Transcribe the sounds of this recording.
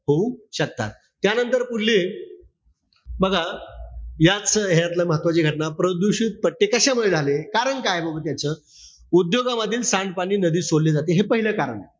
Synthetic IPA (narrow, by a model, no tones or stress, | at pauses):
ɦouɕək̚t̪a̰t̪ | t̪janənt̪əɾpuɽle | bəɡʱa | jat͡sɦeɾat̪ləmɦət̪ʋat͡ɕiːɡʱəʈnapɾəd̪uɕit̪̚pəʈːekəɕamuɭed͡zʱalekaɾəɳkajbʱəbət̪jat͡ɕəː | ud̪joɡaʋəd̪ʱːiːlsaɳɖpaɽ̃iːnəd̪iːsolled͡zat̪eɦepəɦiləkaɾə̰ɳe